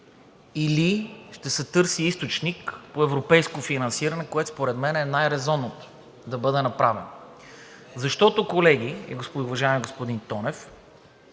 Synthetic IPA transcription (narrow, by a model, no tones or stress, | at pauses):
iliʃt̪ɛsɛt̪ɤɾsiist̪ot͡ʃnikpoɛvɾopɛjskofinɐnsiɾɐnɛkoɛt̪o̥spoɾɛd̪mɛnɛnajɾɛzɔnot̪o̥ | d̪ɐbɤd̪ɛnɐpɾavɛn | zɐʃt̪ɔt̪okolɛɡ̟iɛ̰ɡospʊvɐʒaɛmiɡospod̪int̪ɔnɛf